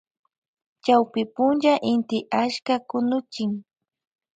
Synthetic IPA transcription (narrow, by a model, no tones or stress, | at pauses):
t͡ʃawpɪpʊnʒaʔɪnt̪ɪʔaʃkakʊnʊt͡ʃɪŋ